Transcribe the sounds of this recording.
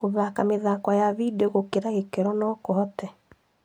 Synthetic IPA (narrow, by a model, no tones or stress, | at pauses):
oðakameðakɔjaβideɣokeɾaɣekɛɾɔnɔkoɦɔtɛ